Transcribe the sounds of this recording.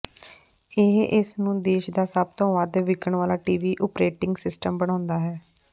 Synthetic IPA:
ɪɦʔɪsnũːd̪eːʃd̪aːsəb̚t̪õːʋəd̪ʋɪkəɳʋaːlaːʈiːʋiːʔʊpɾeːʈɪ̃ŋɡsɪsʈəmbəɽ̃ãːnd̪aːɦɛː

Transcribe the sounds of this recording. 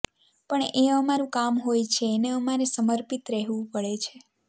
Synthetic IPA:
pəɳeəmaɾũkamɦojt͡ʃʰeːneəmaɾesəməɾpit̪ɾɛɦʋũpəɭet͡ʃʰe

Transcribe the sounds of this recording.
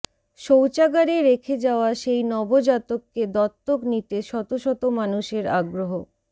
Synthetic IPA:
ʃowt͡ɕaɡaɾeɾekʰed͡ʑaoaʃejnɔbod͡ʑat̪okːed̪ɔt̪ːoknit̪eʃɔt̪oʃɔt̪omanuʃeɾa̰ɡɾoɦo

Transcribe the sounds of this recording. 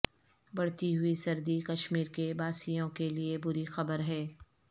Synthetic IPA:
bɐɽt̪iɦʊisɐɾd̪ikɐʃmiːɾkebaːsijõkeliebʊɾixɐbəɾɦɛː

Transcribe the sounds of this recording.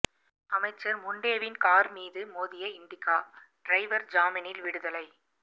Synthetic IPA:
ɐmɐɪt͡ʃːɐɾmʊɳɖeːʋɪnkaːɾmiːðɯmoːðɪjɐɪnɖɪkːaː | ɖ̥ɾɐɪʋɐɾd͡ʒaːmɐnɪlʋɪɽɯðɐlɐɪ

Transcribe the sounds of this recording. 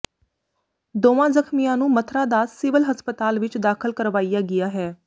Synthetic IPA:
d̪oːʋãːzəkʰmijãːnũːmət̪ʰɾãːd̪aːsɪʋəlɦəspət̪aːlʋɪt͡ʃd̪aːkʰəlkəɾʋaːijaːɡɪjaːɦɛː

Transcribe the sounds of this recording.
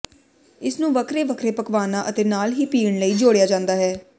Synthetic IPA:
ɪsnũːʋəkʰɾeːʋəkʰɾeːpəkʋaːnãːʔət̪eːnaːlɦiːpiːəɳləiːd͡ʒoːɽejaːd͡ʒãːnd̪aːɦɛː

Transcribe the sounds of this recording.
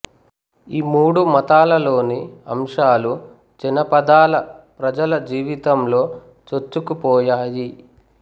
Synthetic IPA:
iːmuːɽumɐt̪aːlɐlo̞ːniɐ̰mʂaːlu | d͡ʒinɐpɐd̪aːlɐpɾɐd͡ʒɐlɐd͡ʒiːʋit̪ɐmlo̞ː | t͡ʃot͡ʃːukupɔːjaːji

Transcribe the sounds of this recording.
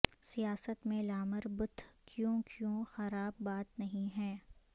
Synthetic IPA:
sijaːsət̪mẽlaːməɾbʊt̪ʰkjõːkʰjõxɐɾaːbːaːt̪nɐɦĩɦɛː

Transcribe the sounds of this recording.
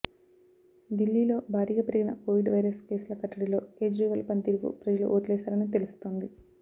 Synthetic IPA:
ɖilːiːlo̞ːbʱaːɾiːɡɐpɐɾɡinɐ̰koːʋiɖʋɐjɾɐske̞ːsulɐkɐʈːɐɽilo̞ːke̞ːd͡ʒɾiːʋɐlpɐnt̪iːɾukṵpɾɐd͡ʒɐlṵʔoːʈlɛːsaːɾɐnit̪e̞lusu̥t̪oːnd̪i

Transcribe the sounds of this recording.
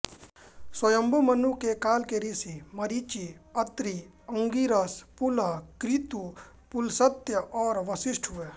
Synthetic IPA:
swəjəmbʱomənukekaːlkeɾisimɐɾiːt͡ʃiɐt̪ɾi | ə̃ŋɡiɾəspʊlakɾɪt̪u | pʊlsət̪jəʔɔːɾʋəsɪʃʈʰɦʊe

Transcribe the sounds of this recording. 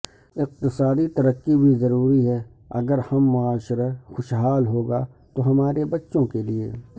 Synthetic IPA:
ɪq̚t̪ɪsaːd̪it̪ɐɾəkːibʱizɐɾuːɾiɦɛ | ɐ̰ɡəɾhɐmːʊaːʃɪɾəxʊʃɦaːlɦoːɡa | t̪oɦɐmaːɾebɐtːʃõkeliḛː

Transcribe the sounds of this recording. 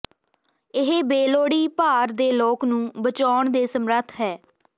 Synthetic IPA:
ɪɦebeːloːɽiːpaːɾd̪eːloːknũːbət͡ʃaːɳd̪eːsəmɾət̪ʰɦɛː

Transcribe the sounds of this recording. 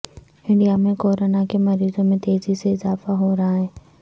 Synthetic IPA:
ɪ̃ɳɖijamẽkoːɾonakemɐɾiːzõmẽt̪eːziseɪzaːfaɦoɾɐɦaɦẽː

